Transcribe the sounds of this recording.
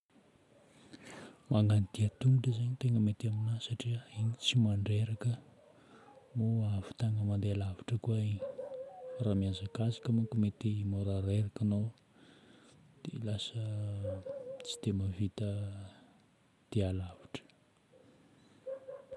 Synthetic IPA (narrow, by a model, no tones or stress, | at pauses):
maŋɡanid̪̥iat̪umuʈ͡ʂəzaɲit̪eŋɡəmet̪aminasaʈ͡ʂiəiɲit͡simaɳɖ͡ʐeɾakə | moavi̥t̪aŋəmand̪ealaviʈ͡ʂəkuaiɲi | ramiazakazakəmukumet̪imoɾaɾeɾakano | d̪̥ḛlasə | t͡si̥d̪̥emavit̪ə | d̪̥ealav̥i̥ʈ͡ʂə̥